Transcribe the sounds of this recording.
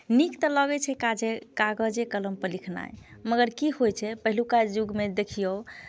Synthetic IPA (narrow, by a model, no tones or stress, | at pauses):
nikt̪ələɡɛt͡ʃʰɛkad͡ʒekaɡəd͡ʒekələmpəlikʰna̰jməɡəɾkiɦojt͡ʃʰɛpəɦilukad͡ʒuɡmed̪ekʰijow